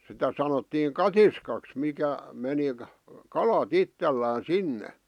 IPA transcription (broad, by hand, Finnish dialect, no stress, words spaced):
sitæ sɑnotːiːŋ kɑtiskɑks mikæ meni kɑlɑt itːelːæːn̞ sinːe